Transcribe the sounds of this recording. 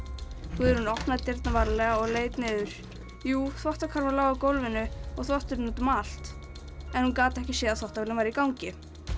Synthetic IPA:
uðɛɾhunɔht̪naðt̪ɪɾt̪navaɾlɛɣaɔɣleːjt̪nɪðʏɾ̥ | juːθwɔht̪akʰaɾvaɾlaːwɣakowlvɪnʏɔɣθwɔht̪ʏɾnat̪ʏmaːl̥t̪ | ɛnhunkaːt̪ɪɛhcɪsɛːðaθɔht̪avɪlɪmvajɾɪikawŋcɪ

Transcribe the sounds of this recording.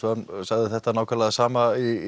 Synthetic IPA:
ansaɣðɪθɛht̪ːanaːwkʰalaðsaːmai

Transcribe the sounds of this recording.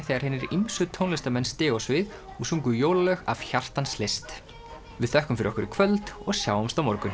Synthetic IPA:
θejɣaɾhɪnːɪɾimsʏt̪ʰownlɛst̪amɛnst̪ɪːɔsvɪð | usuŋkʏjoːwlalœɣa̰vçar̥t̪anslest̪ | vɪðθɛhkʏmfɪɾɪ̰ɾɔhkʏɾɪkʰvœlt̪ɔɣsjaːwɔmst̪awmɔɾkʏn

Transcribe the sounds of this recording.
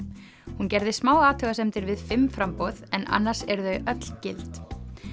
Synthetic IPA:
huncɛɾðɪsmaːwaːt̪ʰœɣasɛmt̪ɪɾvɪðfɪmːfɾampoðɛnʔa̰nːaɾ̥sɛɾðœɥʔœt̪l̥cɪ̰lt̪

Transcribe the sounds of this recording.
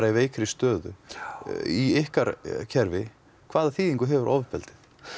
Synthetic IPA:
ɾaiveːjkɾɪst̪œːðʏ̰ | iɪhkaɾcʰɛɾvɪ | kʰvaːðaθiːðiŋkʏɦɛvʏɾʔɔ̰wvɪɾ̥pɛlt̪ɪθ

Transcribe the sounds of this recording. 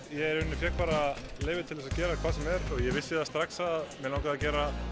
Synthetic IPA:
jɛɛɾʏnːɪfjɛkpaːɾaleːjvɪt̪ʰɪlθɛsacɛːɾakʰvaːsɛmɛɾɔɣjɛvɪsːɪðast̪ɾaksaðamɛlawkaðacɛːɾa

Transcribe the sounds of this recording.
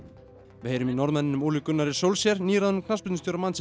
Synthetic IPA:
vɪheːjɾʏminɔɾðmɛnɪnʏmuːlikʏnːaɾɪ̥sowlsjɛɾniːɾaðnʏmkʰnaspʏt̪nʏsʰowɾamans

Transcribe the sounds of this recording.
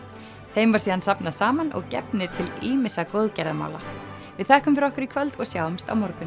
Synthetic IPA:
θejmvaɾ̥siːðansapnasaːmanɔ̰ɣcɛ̰pnɪɾ̥t̪ʰɪliːmɪsakowðcɛɾðama̰wla̰ | vɪðθɛhkʏmfɪɾɔhkaɾikʰvœlt̪ɔɣsjawʏmst̪a̰wmɔɾkʏn

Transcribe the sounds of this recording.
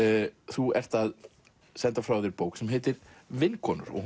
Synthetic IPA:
θuɛr̥t̪að | sɛnt̪afɾawðɪɾpoːwksɛmɦɛːt̪ɪɾvɪnːkʰɔːnʏ̰ɾɔ̰ɣ

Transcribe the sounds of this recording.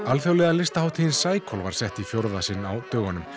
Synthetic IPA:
alfjowlɛɣalɪst̪ahawt̪ʰijɪnsaːjkʰɔlvaɾ̥sɛht̪ifjowɾðasɪnːawt̪œːɣanʏm

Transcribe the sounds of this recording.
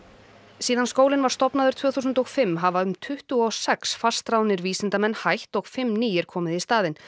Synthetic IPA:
siːðanskoːwlɪnvaɾ̥st̪ɔpnaðʏɾ̥t̪ʰv̥œːθus̬ʏnt̪ɔɣfɪmːɦavaʏmt̪ʰʏht̪ʏɔsɛksfast̪ɾawnɪɾviːsɪnt̪amɛnhajht̪ɔɣfɪmːniːjɪɾ̥kʰɔːmɪðist̪aːðɪn

